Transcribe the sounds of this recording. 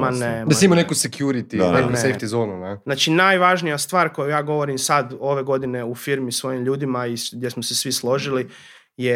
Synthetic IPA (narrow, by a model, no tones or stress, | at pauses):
maned̪aseimonekusekjuɾit̪iesejft̪izonuneznaːt͡ʃinajʋaʒnijast̪ʋaːɾko̞jujaːɡo̞ʋo̞ɾimsad̪o̞ʋe̞ɡo̞d̪ine̞ufiɾmisʋo̞jimʎuːd̪imaiɡdje̞smosesʋislˠo̞ʒili | je